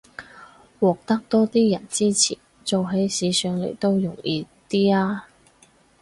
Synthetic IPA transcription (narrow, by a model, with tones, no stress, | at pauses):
wɔː˨k̚t̪ɐ˥k̚t̪ɔː˥t̪iː˥jɐ̰˨˩nt͡siː˥t͡sʰḭː˨˩ | t͡so˨wɦe˨˥jsiː˨˧sœː˨˧ŋlḛ˨˩jt̪o˥wjʊ˨˩ŋjiː˨˧ | t̪iː˥aː˥